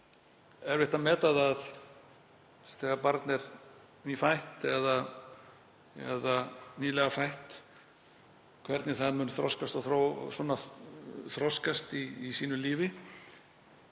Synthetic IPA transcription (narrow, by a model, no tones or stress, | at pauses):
ɛɾvɪht̪amɛːt̪aðað | θɛːɣaɾpaɾt̪nɛɾ | niːfajht̪ɛða | ɛ̰ðaniːlɛɣafajht̪ | kʰvɛɾt̪nɪθaðmʏːnʏθɾɔskast̪aθɾo̰sɔːnːa | θɾɔskast̪iːsiːnʏliːvɪ